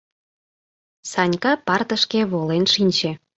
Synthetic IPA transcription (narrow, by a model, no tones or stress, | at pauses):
sɑnʲkɑpɑrt̪əʃkeβolenʃinʲt͡ɕe